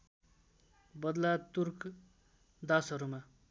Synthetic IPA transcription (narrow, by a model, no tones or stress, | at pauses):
bʌd̪lat̪urk | d̪asʌɾuma